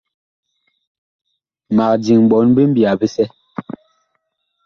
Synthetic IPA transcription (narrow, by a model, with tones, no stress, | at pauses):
ma˨k̚d͡ʒi˨ŋ˨ɓɔ˨˦nbi˦m̩˦bja˨bi˦sɛ˦